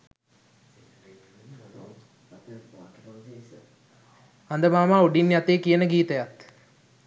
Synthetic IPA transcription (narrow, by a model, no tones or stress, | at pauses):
ɐnd̪əmaːmaːuɖinjɐt̪eːkijənəɡiːt̪ɐjɐt̪